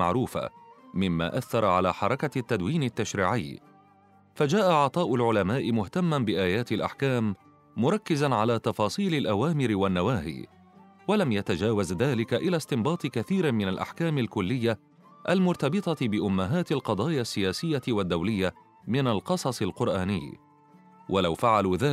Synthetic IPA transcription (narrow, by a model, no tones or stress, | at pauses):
a̰ʕɾuːfa̰mɪmːa̰ːʔaθːɑɾˤʕalaːħɑɾˤɑkat̪ːad̪wiːnɪt̪ːaʃɾiːʕɪjː | fad͡ʒaːʔaʕɑt̪ˤɑːʔʊlʕʊlamaːʔɪmʊht̪amːanbɪʔaːjaːt̪ɪlʔa̰ħkaːmː | ʊɾˤɑkːɪzanʕalaːt̪ɑfɑːsˤiːlalʔawaːmɪɾɪwanːawaːɦḭː | walamjat̪ad͡ʒaːwazðaːlɪkaʔɪlaːst̪ɪmbɑːt̪ˤɨkaθiːɾɪmɪnalʔa̰ħkaːmalkʊlːɪjːa | ʔalmʊɾˤt̪ɑbɨt̪ˤɑbɪʔʊmːaɦaːt̪alqɑd̪ˤɑːjasːɪjaːsɪjːawad̪ːawlɪjːa | mɪnalqɑsˤɑsˤɪlqʊɾʔaːnɪ̰jː | wʔalawfaʕaluːðaː